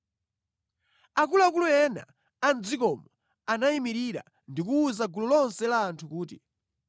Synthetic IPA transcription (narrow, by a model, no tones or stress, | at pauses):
akulakulujɛna̰ | and͡zikɔmɔ | anaimiɾiɾa̰ | ndikuːzaɡulɔlɔnsɛlaːntʰukuːti